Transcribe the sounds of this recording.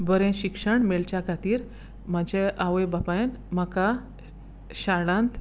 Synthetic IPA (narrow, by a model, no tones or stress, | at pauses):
bəɾẽɕikʂəɳmeɭt͡ɕjakʰat̪iːɾ | m̤əd͡ʑʱeaʋejbapaenmaka | ɕaɭãnt̪